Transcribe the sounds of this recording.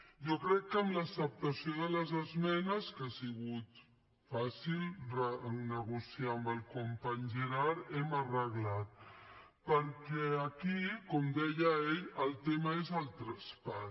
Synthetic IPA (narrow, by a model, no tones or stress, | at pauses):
ʒokɾɛkːəmləsəp̚t̪əsioðələzəzmɛnəskasiɣut̪ | fasilrənəɣusjiaəmbəlˠkumpaɲʒəɾaɾɛmərəɣlat̪̚pəɾkɛəkikɔmd̪ɛjəeʎəlˠt̪eməezəlˠt̪ɾəspa